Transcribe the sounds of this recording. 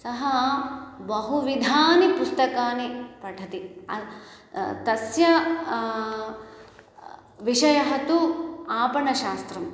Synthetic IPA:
sɐɦɐ | bɐɦuʋid̪ʱaːnipust̪ɐkaːnipɐʈʰɐt̪iɐ̰ | t̪ɐsjɐ | ʋiʂɐjɐɦɐt̪uaːpɐɳɐʃaːst̪ɾɐm

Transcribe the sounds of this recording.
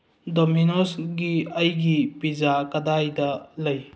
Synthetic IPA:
dominosɡiɐjɡipid͡ʒakɐdajdɐlɐj

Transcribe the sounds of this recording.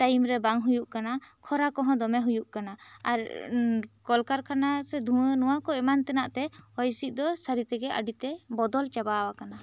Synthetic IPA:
ʈajmɾɛbaŋɦujuʔkanakʰɔɾakɔɦɔ̃d̪ɔmɛɦujuʔkanaaɾ | kɔlkaɾkʰanasɛd̪ʱuənuwakɔɛmant̪ɛnaʔt̪ɛɔjsiʔ̪̚d̪ɔsaɾit̪ɛɡɛʔa̰ɖit̪ɛbɔd̪ɔlt͡ʃabawakana

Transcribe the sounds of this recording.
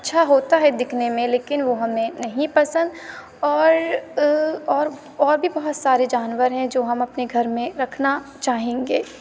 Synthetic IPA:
ɐtːʃʰaɦoːt̪aɦɛd̪ɪkʰnemẽleːkɪnʋoɦɐmẽnɐɦĩpɐsə̃nd̪ | ɔːɾ | ɔːɾ | ɔːɾbʱibɐɦʊt̪saːɾed͡ʒaːnʋəɾɦɛ̃d͡ʒoːɦɐmɐpneɡʱɐɾmẽɾɐkʰnat͡ʃaːɦẽːŋɡeː

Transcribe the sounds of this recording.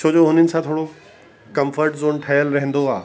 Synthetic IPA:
t͡ʃʰoːd͡ʑoɦʊnɪnɪ̆sãt̪ʰoːɽo | kɐ̃mfʰəɾʈzoːnʈʰɐjəlɾɐɦə̃nd̪oaː

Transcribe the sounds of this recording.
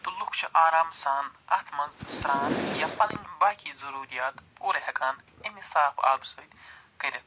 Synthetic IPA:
t̪ulukʰt͡ʃʰiʔaːɾaːmsaːnɐt̪ʰmɐnsɾaːnjapɐlɐ̰nʲbaːkʲiːzɐɾuːɾijaːt̪pʰuːɾɐɦɐkaːn | emisaːpʰa̰ːbsoːt̪ | kɐɾʲɐ

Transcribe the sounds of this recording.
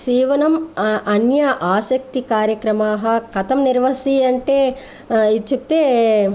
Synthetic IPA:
siːʋɐnɐmɐnjɐʔaːsɐk̚t̪ikaːɾjɐkɾɐmaːɦɐ̆kɐt̪ɐmniɾʋɐsiɐɳʈeː | it͡ʃuk̚t̪eː

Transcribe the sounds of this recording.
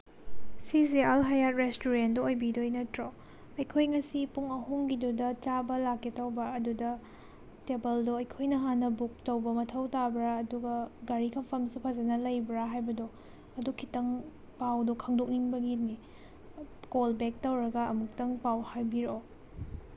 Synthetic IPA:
sizialɦajat̚ɾestuɾendoojbidojnɐtɾo | ɐjkʰojŋɐsipuŋɐɦuŋɡidudɐt͡ʃabɐlakːetɐwbɐɐdudɐ | tebɐldoɐjkʰojnɐɦanːɐbuk̚tɐwbɐmɐtʰɐwtabɾaːduɡɐɡaɾikʰɐmpʰɐmsupʰɐzɐnɐlɐjbɾaɦajbɐdo | ɐdukʰːitɐŋ | pawdokʰɐŋdok̚niŋbɐɡitni | kolbek̚tɐwɾɐɡɐːmuk̚tɐŋpawhajbiɾo

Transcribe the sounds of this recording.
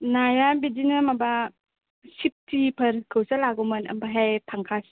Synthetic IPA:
najabidinamaba | sip̚tipʰɐɾkʰɯwsalaɡumɐnɐ̰mbaɦajtʰaŋkʰas

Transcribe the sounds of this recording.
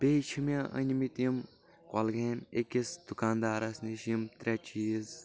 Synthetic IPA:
bʲet͡ʃʰimʲɐʔɐ̰nʲimit̪im | kɔlɡemʲekʲisd̪̥ukaːnd̪aːɾɐsniʃimt̪ɾʲɛt͡ʃiːz

